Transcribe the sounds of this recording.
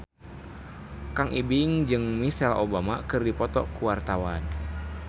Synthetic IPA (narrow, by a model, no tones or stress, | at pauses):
kaŋʔibiŋd͡ʒɨŋmisalobama̰kɨrdipɔt̪ɔkuwart̪awan